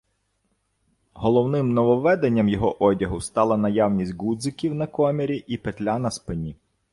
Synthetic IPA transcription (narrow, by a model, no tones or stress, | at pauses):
ɦɔlˠɔwnɪmnɔʋɔʋɛd̪enʲːɐmjɔɦɔʔɔdʲɐɦʊst̪ɑlˠɐnɐjɑwnʲisʲtʲɡud̪zɪkʲiwnɐkɔmʲeɾʲiʔipet̪lʲanɐspenʲi